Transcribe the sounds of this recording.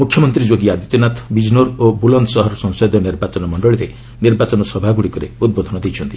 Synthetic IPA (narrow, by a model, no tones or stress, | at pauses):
mukʰjɔmɔnt̪ɾid͡ʒoɡiad̪it̪ɔnat̪ʰbid͡ʒnoɾobulɔnd̪ɔsɔɦɔɾɔsɔ̃ŋsod̪jɔniɾbat͡ʃɔnɔmɔɳɖɔɭiɾe | niɾbat͡ʃɔnɔsɔbʱaɡuɽikɔɾḛud̪̚bod̪ʱɔnɔd̪ejt͡ʃʰɔnt̪i̥